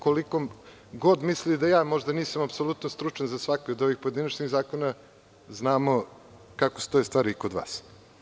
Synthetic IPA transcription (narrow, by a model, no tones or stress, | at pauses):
kolikom | ɡo̞d̪mislid̪ajaːmo̞ʒd̪aniːsamapso̞lˠut̪nost̪ɾut͡ʃanzasʋakood̪o̞ʋixpojed̪inat͡ʃniɣzaːko̞na | znaːmo̞ | kakost̪oest̪ʋaːɾiːkod̪ʋa̰ːs